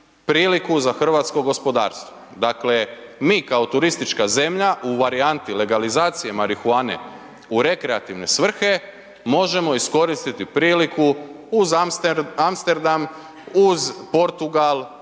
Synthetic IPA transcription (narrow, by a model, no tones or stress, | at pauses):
pɾiːlikuzaxr̩ʋaːt̪sko̞ɡospo̞d̪a̰ːɾst̪ʋo | d̪akle̞miːkao̞t̪uɾist̪it͡ʃkaze̞mʎaʔuʋaɾiant̪ile̞ɡalizaːt̪sije̞maɾixuaːne̞̰ | uɾe̞kɾe̞at̪iʋne̞sʋr̩xe̞ | mo̞ʒe̞mo̞isko̞ɾist̪it̪ipɾiːliku | uzamst̪e̞ɾd̪am | uzpo̞ɾt̪uɡalˠ